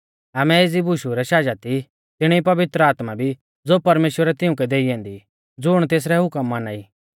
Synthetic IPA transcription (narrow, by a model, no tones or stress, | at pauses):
aːmɛeːd͡zibʱʊʃuɾɛʃaːd͡ʒat̪i | t̪ɪɽ̃ɛ̃ipɐʋɪt̪ɾəaːt̪mabʱi | d͡zoːpɐɾmeːʃwəɾɛt̪ɪʊ̃kɛd̪eːiɛ̃ːnd̪i | d͡zʊɽ̃t̪eːs̬ɾɛɦʊkəmːanaːiː